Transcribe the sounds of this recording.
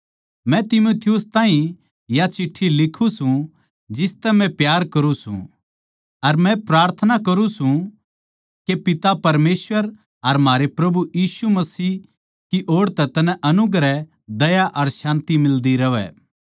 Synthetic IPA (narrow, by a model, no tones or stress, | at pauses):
mɛ̃t̪ɪmuːt̪ʰɪjʊst̪ãːɦĩ | jat͡ʃɪʈʰːilɪkʰũsũ | d͡ʒɪst̪ɛmɛ̃pjaːɾkɐɾũsṵ̃ | ɐɾmɛ̃pɾaːɾt̪ʰənakɐɾũsũ | kepɪt̪apɐɾmeːsʋəɾ | ɐɾmɦaːɾepɾɐbujiːsumɐsiː | kiʔoːɽt̪ɛt̪ɐnɛ̃ʔɐnʊɡɾɛ | d̪ɐjaʔɐɾʃãːnt̪imɪld̪iɾɐʋɛ̰ː